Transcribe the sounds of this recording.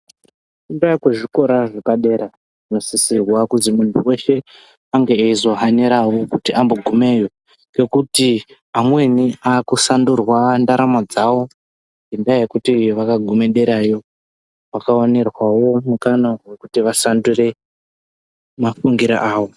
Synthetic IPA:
kundakweʐiko̞ɾaʐepaɗe̞ːɾa | ino̞sisirwakuzimuntʰuwe̞ʃe̞ | aŋɡeːizo̞ɦaneɾawo̞kutiʔamboɡʱume̞ːjo̞ | ke̞kuti | amwe̞niaːkusandurwandaɾamad͡zawo̞ | ŋɡendaejekutiʋakaɡʱumeɗe̞ɾajo̞ | wakaonerwawo̞mukanowe̞kutiʋasandure̞ | mafuŋɡiɾa̰ʔaːwo̞

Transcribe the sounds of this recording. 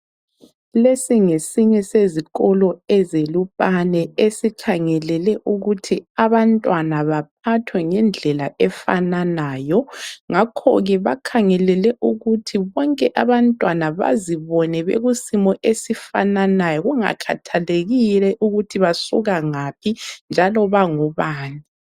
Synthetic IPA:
lesiŋesiɲɛseziɣɔlɔɛzelupʼanɛesikʰaŋɛlɛlɛʔuɣutʰiaβantʼwanaβap̚ʰatʰwɛŋɛnd͡ɮʱɛlaʔɛfa̰nanaːjɔŋakʰɔ̰ɣɛβakʰaŋɛlɛlɛʔuɣutʰiβɔŋkʼɛʔaβantʼwanaβa̰ziβɔnɛβḛɣusimɔʔesifa̰nanajɔɣuŋa̰kʰa̰tʰaleɣilɛʔuɣutʰiβasuɣaŋapʰind͡ʒʱalɔβaŋuβaːni

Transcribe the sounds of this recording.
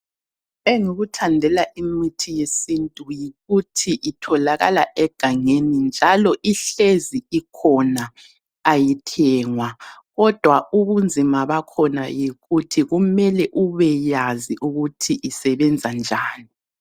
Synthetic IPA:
eŋuɣutʰandʱɛlaʔimitʰijesintʼujiɣutʰiʔitʰɔlaɣa̰laʔɛɡ̥ʱaŋenind͡ʒʱalɔʔiɬeziikʰɔna | ajitʰɛːŋwaɣɔd̥ʱwauβund͡zʱimaβakʰɔna̰jiɣutʰiɣumɛlɛʔuβɛjaziʔuɣutʰiʔisɛβɛnd͡zʱand͡ʒʱaːni

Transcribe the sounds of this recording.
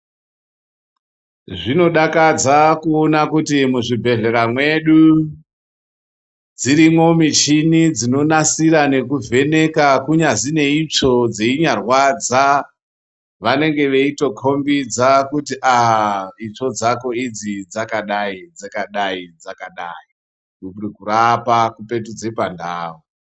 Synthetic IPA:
ʐino̞ɗakad͡zakuonakutimuʐibʱe̞ɮe̞ɾamwe̞ɗu | d͡ziɾimo̞mit͡ʃinid͡zino̞nasiɾane̞kuvʱe̞ne̞kakuɲazine̞it͡ʂo̞d͡zeiɲarwad͡za | ʋane̞ŋɡe̞ʋe̞ito̞kʰo̞mbid͡zakutiʔaɦit͡ʂo̞d͡zako̞id͡zid͡zakaɗaid͡zakaɗaid͡zakaɗaːi | ukurikurapakupe̞tud͡zepanda̰ːwo

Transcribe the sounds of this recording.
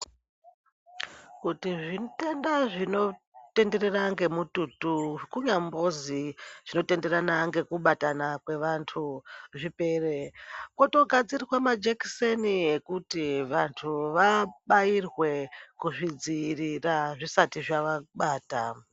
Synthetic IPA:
kutiʐinte̞ndaʐino̞ | te̞nde̞reraŋɡe̞mututukuɲambo̞ziʐ̥ino̞te̞nde̞ɾanaŋɡe̞kuɓatanakwe̞ʋantʰuʐipe̞ːrekwoto̞ɡʱad͡zirirwamad͡ʒeksenie̞kutiʋantʰuʋaɓajirwe̞kuʐid͡ziriraʐisatiʐaʋaɓaːta

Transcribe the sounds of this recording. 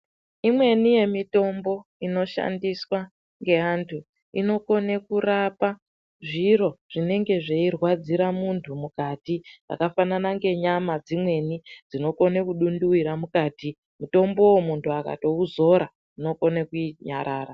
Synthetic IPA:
imwe̞nije̞mito̞mbo̞ino̞ʃa̰ndiswa | ŋɡe̞aːntʰu | ino̞ko̞nekurapa | ʐiro̞ʐ̥ine̞ŋɡe̞ʐeirwad͡ziɾamuntʰumukatid͡za̰kafananaŋɡe̞ɲamad͡zimwe̞nid͡zino̞ko̞nekuɗunduwiɾamukaːti | muto̞mbo̞womuntʰuaka̰to̞uzo̞ɾa | ino̞ko̞nekuiɲa̰ɾʔaːɾa

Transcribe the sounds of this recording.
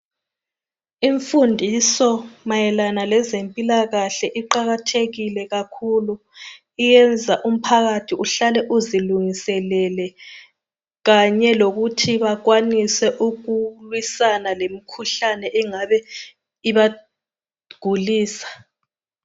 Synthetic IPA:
iɱfundʱisɔmajɛlanalɛzempʼilaɣaɬɛʔiǃaɣatʰeɣilɛɣakʰulu | ijɛnd͡zʱaʔum̩pʰaɣatʰiuɬalɛʔuziluŋisɛlɛlɛ | ɣaɲɛloɣutʰiβaɣwanisɛʔuɣulwisanalemikʰuɬanɛʔɛŋaβɛ | iβa | ɡ̥ʱuliːsḁ

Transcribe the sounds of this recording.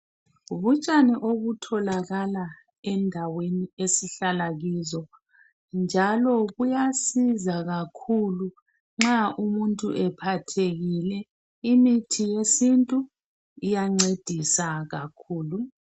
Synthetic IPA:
uβut͡ʃʼaniʔoɣutʰɔlaɣala | ɛndʱaweniesiɬalaɣiːzɔ | nd͡ʒʱalɔɣujasizaɣakʰulu | ŋ͡ǁaʔumuntʼuʔɛpʰatʰeɣilɛ | imitʰijesintʼu | ijaŋ͡ǀed̥ʱisaɣakʰuːlu

